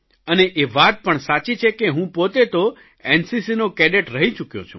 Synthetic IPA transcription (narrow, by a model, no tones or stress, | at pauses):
əneʔeʋat̪̚pəɳsat͡ʃit͡ʃʰekeɦũpot̪et̪o | ensisinokɛɖeʈɾəɦit͡ʃukjõ̰t͡ʃʰṵ̃